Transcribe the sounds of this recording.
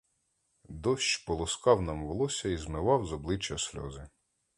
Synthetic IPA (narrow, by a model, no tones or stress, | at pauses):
d̪ɔsʲt͡ʃpɔlˠɔskɑwnɑmʋɔlˠɔsʲɐizmɪʋɑwzɔblˠɪt͡ʃːɐsʲlʲɔ̰zɪ